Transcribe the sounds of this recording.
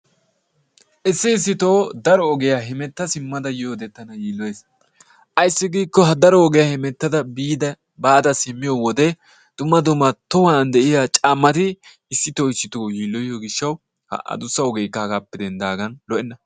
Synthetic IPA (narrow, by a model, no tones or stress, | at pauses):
ʔɪsːɪːs̬ːɪt̪oːd̪ɐɾɔɔɡɛjaɦɛmɛt̪ːɐsɪmːɐd̪ɐjjoːd̪ɛt̪ːɐnɐjiːlːɔjes | ʔɐjsːɪɡiːkːɔɦɐd̪ɐɾɔːɡɛjahɪmɛt̪ːɐd̪ɐbiːd̪ɐ | baːd̪ɐsɪmːɪjɔwɔd̪ɛ | d̪̥ʊmːɐd̪ʊmːɐt̪ɔhɐnd̪ɛʔɪjat͡ʃʼaːmːɐt̪ɪ | ɪsːɪt̪oːɪsɪt̪oːjiːlːɔjjoɡɪʃːɐw | hɐ̰ʔɐ̰d̪ʊsːɐɔɡɛjkːɐɡapːɪd̪ɛnd̪aːɡɐnlɔʔɛnːɐ